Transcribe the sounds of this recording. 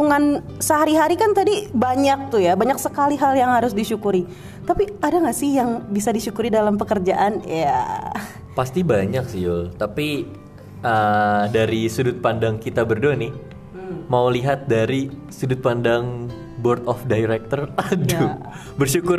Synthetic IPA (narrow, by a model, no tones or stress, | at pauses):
uŋan | səɦaɾiɦaɾikant̪adibaɲak̚t̪ujabaɲak̚səkaliɦaljaŋhaɾʊsdiʃukuɾi | t̪apiadaŋasɪhjaŋbisadiʃukuɾidalampəkərd͡ʒaʔanja | past̪ibaɲak̚siolt̪api | ədaɾisudʊt̪̚pandaŋkit̪abərdonɪ | mauliɦat̪̚daɾi | sudʊt̪̚pandaŋ | bɔrt̪ɔfdajɾɛk̚t̪əradu | bərʃukʊr